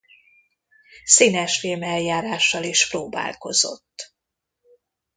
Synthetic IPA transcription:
siːnɛʃfilmɛljaːɾaːʃːɒliʃproːba̰ːlko̞̰zo̞̰t̪ː

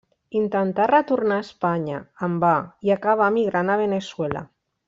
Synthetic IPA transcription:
int̪ant̪arat̪uɾnaespaɲaːmbaiakaβ̞amiɣɾanaβeneswela̰

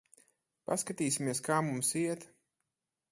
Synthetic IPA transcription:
paskat̪iːsʲimiɛskaːmumsiɛt̪

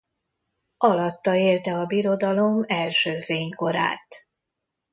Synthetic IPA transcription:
ɒlɒt̪ːɒeːlt̪ɛɒbiɾo̞d̪ɒlo̞mɛlʃøːfeːɲko̞ɾa̰ːt̪

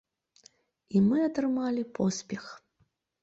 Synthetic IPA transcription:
imɨɐt̪ɾɨmalʲipʰɔsʲpʲɛx

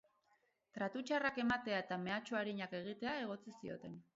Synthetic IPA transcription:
t̪ɾat̪ut͡ʃarake̞mat̪e̞ae̞t̪ame̞at͡ʃoaɾiɲake̞ɣ̞it̪e̞ae̞ɣ̞o̞t͡sisio̞̰t̪e̞n

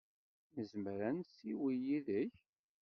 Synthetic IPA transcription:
məzmɾænsiwijiðəç

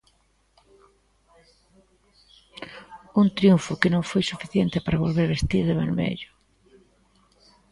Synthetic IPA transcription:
unt̪ɾjuɱfʊkenõŋfojsufiθjent̪epaɾaβ̞olβeɾβest̪iɾðeβalmḛʎʊ

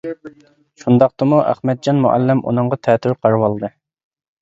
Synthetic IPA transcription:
ʃund̪ɑqt̪ɨmuʔæ̰χmɛd̪̚d͡ʒɑnmuʔæ̰lːɪmʔṵnɨŋʁɑt̪ʰɛt̪ʰyɾqʰɑɾwɑlˠd̪ɨ

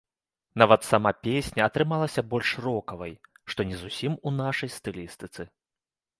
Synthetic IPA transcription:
navɐt̪samapʲesʲnʲɐːt̪ɾɨmalˠɐsʲɐbɔlʲʂrɔkɐvɐj | ʂt̪ɔnʲɛzusʲimunaʂɐjst̪ɨlʲist̪ɨt̪sɨ

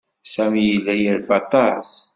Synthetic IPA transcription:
sæmjilːæjəɾfɑt̪ˤɑs

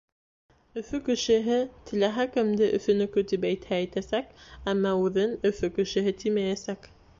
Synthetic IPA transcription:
ɵ̆fɵkɘ̆ʃɘ̆ɦɘt̪ɘ̆læɦækɘ̆md̪ɘʔɵ̰̆fɵ̆nɵ̆kɵt̪ipæjt̪hæːjt̪æsækæmːɑʉðɘnɵ̆fɵkɘ̆ʃɘ̆ɦɘt̪imæjæsæk

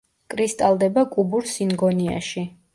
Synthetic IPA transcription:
kʼɾist̪ʼalˠd̪ɛbakʼubuɾsinɡɔnia̰ʃi

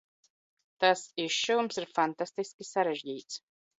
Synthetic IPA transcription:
t̪asiʃʃuwumsiɾfant̪ast̪iskʲisaɾeʒɟiːt̪s

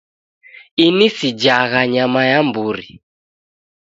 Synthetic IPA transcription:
inisid͡ʒaɣaɲamajambuɾḭ

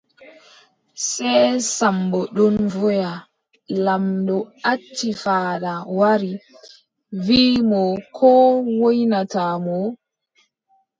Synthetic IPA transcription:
sɛsambɔɗɔnvɔja | lamdɔatʰːifaːɗawaɾi | viːmɔkʰɔwojnataːmɔ

